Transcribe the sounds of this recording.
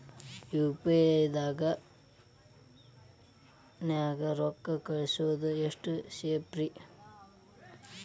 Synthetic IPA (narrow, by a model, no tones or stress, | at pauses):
juːpeɐjd̪aːɡɐ | njaːɡɐɾɔkːɐkɐɭesuʋɐd̪ueʂʈuʃeːpɾi